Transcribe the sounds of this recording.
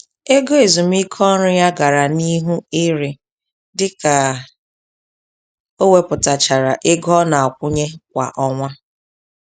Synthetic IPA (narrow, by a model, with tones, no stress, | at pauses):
e˦ɡo˦e˨zu˨m̩˦i˦kʰɔ˦ɾʊ˦ja˦ɡa˨ɾa˨ni˦ɦu˦ɪ˦ɾɪ˨ | dɪ˦ka˨ | o˦we˨pʊ˨ta˨t͡ʃa˨ɾa˨ʔɪ˦ɡɔ˦na˨ɔ˨kʷʊ˦ɲe˦kʷa̰˨ʔɔ˦ŋʷa˦